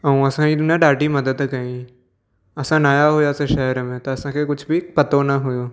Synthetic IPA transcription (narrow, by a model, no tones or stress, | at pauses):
ɐũɐsãid̪ʊnjãɖaːʈimɐd̪əd̪kɐĩ | ɐsãnaːjaɦʊjaseʃɐɦəɾmẽt̪ɐɐsãkʰekʊt͡ʃʰbʱipɐt̪onɐɦʊjo